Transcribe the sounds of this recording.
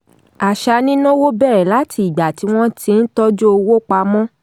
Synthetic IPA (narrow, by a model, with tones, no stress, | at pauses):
a˨ʃa˧nĩ˦nɔ̃˦wo˦bɛ˦˨ɾɛ˨la˨˦tʰi˧˨i˨ɡ͡ba˨ti˨˦w̃ɔ̃˦tʰĩ˧˦n̩˦tɔ˦d͡ʒo˦o˧wo˦k͡pa˧mɔ̃˦